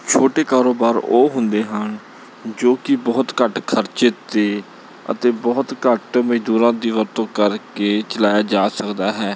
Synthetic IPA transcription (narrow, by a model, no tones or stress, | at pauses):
t͡ʃʰoːʈeːkaːɾoːbaːɾoːɦʊnd̪eːɦən | d͡ʒoːkɪbɔːt̪kəʈkʰəɾt͡ʃɪt̪eː | ə̰t̪eːbɔːt̪kəʈməd͡ʒd̪uːɾãːd̪iːʋəɾt̪õːkəɾkeːt͡ʃəlaːjaːd͡ʒaːsəkd̪aːɦɛː